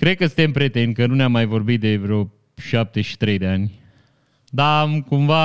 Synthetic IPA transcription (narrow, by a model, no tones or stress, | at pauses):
kɾe̞d̪̚kəsɨ̥̃nt̪empɾʲet̪en̚ʲkənuneamːajvo̞rbit̪̚d̪e̞vɾeo | ʃap̚t̪e̞ʃi̥t̪ɾejd̪eanʲ | d̪aːmkumva